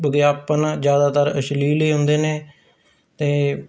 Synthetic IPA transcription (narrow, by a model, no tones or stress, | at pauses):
bəɡjaːpənːd͡ʒjaːd̪aːt̪əɾəʃliːləiːɦʊ̃nd̪eːneː | t̪eː